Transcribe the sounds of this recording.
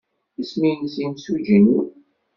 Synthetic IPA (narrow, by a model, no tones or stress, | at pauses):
isminsimsud͡ʒinu